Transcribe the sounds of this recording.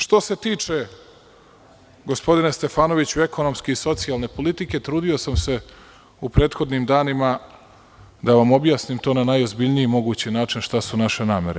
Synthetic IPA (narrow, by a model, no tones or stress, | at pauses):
ʃt̪o̞se̞t̪iːt͡ʃe̞ | ɡo̞spo̞d̪inest̪e̞faːno̞ʋit͡ɕueko̞no̞mskeiso̞t̪sialˠne̞po̞lit̪ike̞t̪ɾuːd̪io̞samse̞ | upɾe̞ːt̪xo̞d̪nimd̪aːnima | d̪aʋamo̞bjaːsnimt̪o̞ːnanajo̞zbiʎnijimo̞ɡuːt͡ɕinaːt͡ʃinʃt̪asunaʃe̞naːme̞ɾe̞̰